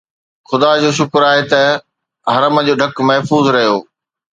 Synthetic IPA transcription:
xʊd̪aːd͡ʑoːʃʊkɾaːɦet̪ɐ | ɦɐɾəmə̆d͡ʑoːɖʱɐkmɐɦfuːzɾɐɦijoː

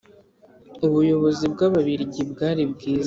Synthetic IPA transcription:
uβujo̞βo̞zibɡaβaβiɾiɟibɡaːɾibɡiːza

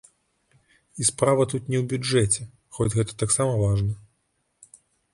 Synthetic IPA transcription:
ispɾavɐt̪ut̪nʲɛwbʲud͡ʐɛt͡sʲɛ | xɔd͡zʲɣɛt̪ɐ̥t̪aksamɐvaʐnɐ

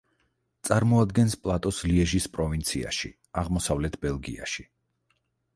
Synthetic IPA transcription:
t̪sʼaɾmɔad̪ɡɛnspʼlˠat̪ʼɔsliɛʒispʼɾɔvint̪sʰia̰ʃi | aʁmɔsavlɛt̪ʰbɛlˠɡḭaʃi̥

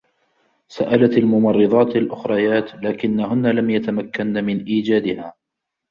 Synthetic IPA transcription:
saʔalaalmʊmɑrˤːɨðˤɑːt̪alʔʊxɾˤɑjaːt̪laːkɪnːahʊnːalamjat̪amakːanːamɪnʔiːd͡ʒaːd̪ɪhaː

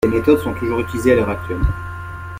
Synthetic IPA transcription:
emet̪ɔd̪sɔ̃t̪uʒuʁyt̪ilizealœʁak̚t̪ɥɛlm̃

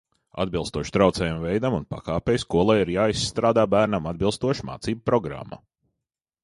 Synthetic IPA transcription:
a̰d̪bilˠst̪uɔʃt̪ɾawt̪sɛːjumvɛjd̪amunpa̰kaːpʲeːjskuɔlˠajiɾjaːisːt̪ɾaːd̪aːbæːɾnamad̪̚bilˠst̪uɔʃma̰ːt̪siːbupɾɔɡɾa̰mːa̰

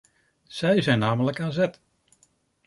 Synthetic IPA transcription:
sɛjzɛjnːaːmələkaːnzɛt

